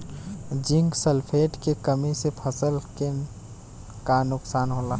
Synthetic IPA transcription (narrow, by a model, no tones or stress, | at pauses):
d͡ʒɪ̃ŋɡsəlpʰeːʈkekəmisepʰəsəlke | kanʊksaːnɦola